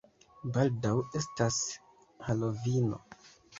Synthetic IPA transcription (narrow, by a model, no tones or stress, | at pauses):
baldawe̞stas | halo̞vino̞̰